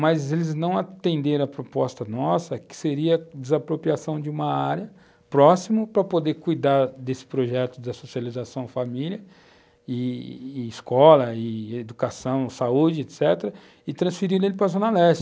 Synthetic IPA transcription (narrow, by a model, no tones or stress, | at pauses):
mɐzelɪznɐ̃w̃at̪ẽnd̪eɾɐ̃ɐpɾopɔst̪ɐnɔsɐkɪ̥seɾiɐd͡ʒ̪ɪzapɾopɾiasɐ̃w̃d͡ʒɪũmɐaɾjɐ | pɾɔsimʊpɾɐpod̪ekujd̪aɾd̪esɪ̥pɾoʒɛt̪ʊd̪ɐsosializasɐ̃w̃familjɐ | ɪː | skɔlɐɪed̪ukasɐ̃w̃saud͡ʒɪet̪sɛt̪eɾɐ | ɪt̪ɾɐ̃sfiɾiɾ̃elɪpɾɐzonalɛʃt͡ʃ